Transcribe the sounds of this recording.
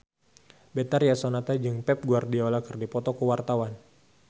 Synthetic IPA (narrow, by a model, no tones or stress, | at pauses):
bet̪arjasonat̪ad͡ʒɨŋpɛp̚ɡuardiolakɨrdipɔt̪ɔkəwart̪awan